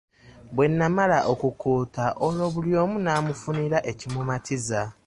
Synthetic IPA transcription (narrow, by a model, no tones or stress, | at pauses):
bwe̞nːamalaʔokukʰuːtaʔolo̞βuljo̞ːmunaːmufuniɾaʔe̞cimumatʰiza